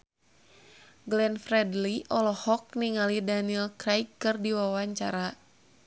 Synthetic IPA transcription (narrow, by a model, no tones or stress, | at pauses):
ɡlɛnfrɛdliʔɔlɔhɔk̚niŋalidaniɛlkɾajkːɨrdiwawaɲt͡ʃa̰ɾa